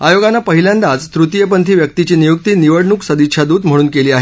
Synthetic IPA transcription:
ajoɡanːapəɦiljãnd̪ad͡zt̪ɾut̪ijəp̬ənt̪ʰiːʋjək̚t̪it͡ɕiːnijuk̚t̪iːniʋəɽɳuːksəd̪it̪ːɕʰad̪uːd̪m̤əɽ̃uːnkeliːaɦe

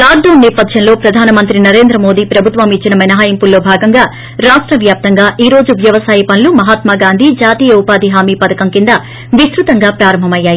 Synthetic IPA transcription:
kaːɾd̪oːnːɛːpɐd̪ʱjɐnlo̞ːpɾɐd̪ʱaːnɐmɐnt̪ɾinɐɾe̞ːnd̪ɾɐmo̞ːd̪iːpɾɐbʱut̪ʋɐmit͡ʃːinɐmɐnɐɦaːjimpulːo̞ːbʱaːɡɐŋɡaː | ɾaːʂʈɾɐʋjaːp̚t̪ɐŋɡaːʔiːɾo̞ːd͡ʒuʋjɐʋɐsaːjipɐnlumɐɦaːt̪maːɡaːnd̪ʱid͡ʒaːt̪iːjɐupaːd̪iɦaːmiːpɐd̪ɐkɐmkind̪ɐ | ʋisɾut̪ɐŋɡaːpɾaːɾɐmbʱɐmɐjːaːji

